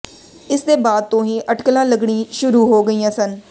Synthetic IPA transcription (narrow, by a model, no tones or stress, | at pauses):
ɪsd̪eːbaːd̪̚t̪õːɦiːʔəʈklãːləɡɳiːʃʊɾuːɦoːɡəiːjãːsən